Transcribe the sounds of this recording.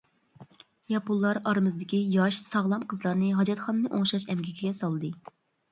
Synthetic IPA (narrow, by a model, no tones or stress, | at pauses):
jɑpulˠːɑɾɑɾmɨzɨd̪ɪkʲijɑʃsɑʁlˠɑmqʰəzlˠɑɾnɨɦɑd͡ʒɑt̪χɑnːɨʔoŋʃɑʃɛmɡʲikʲiɡʲɛsɑlˠd̪ɨ